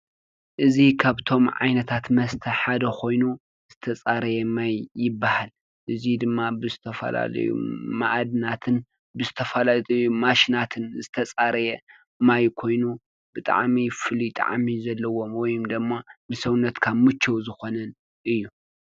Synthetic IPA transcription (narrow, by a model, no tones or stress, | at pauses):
ʔɨzikʰaβt̪ʰo̞mʕa̰jnɐt̪ʰat̪mɐst̪ʰɐħad̪ɐkʰo̞jnu | zɨt̪ʰɐt͡sʼaɾɐjɛmajːɪbːahal | ʔɨzid̪ɨmːabɨzɨt̪ʰɐfɐ̰la̰lɐ̰jṵmaʔad̪nat̪ʰɨn | bɨzɨt̪ʰɐfɐlajmaʃinat̪ʰɨnzɨt̪ʰɐt͡sʼaɾɐjɛ | majkʰo̞jnu | bɨt̪ʼa̰ʕmifɨlit̪ʼa̰ʕmizɐlːɐwo̞mwɔjumd̪ɨmːabɨsɐwnɐt̪kʰamɨt͡ʃʰːɐwzɨxo̞nɐn | ʔɨjːu